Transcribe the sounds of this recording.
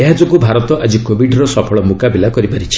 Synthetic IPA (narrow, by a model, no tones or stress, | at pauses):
eɦad͡ʒokubʱaɾɔt̪ɔʔad͡ʒikobʱiɖɾɔsɔpʰɔɭɔmukabilakɔɾipaɾit͡ʃʰi̥